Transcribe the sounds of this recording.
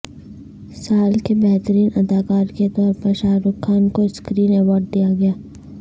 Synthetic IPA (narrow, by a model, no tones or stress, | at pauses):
saːlkebɛɦt̪əɾiːnʔɐd̪aːkaːɾket̪ɔːɾpɐɾʃaːɾʊkʰːaːnkoskɾiːnɛʋɔːɾɖ̚d̪ijaɡɐjaː